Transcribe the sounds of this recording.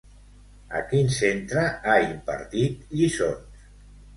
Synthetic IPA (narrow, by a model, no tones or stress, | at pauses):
ə̰kinsent̪ɾəaimpə̰ɾt̪it̪ʎisons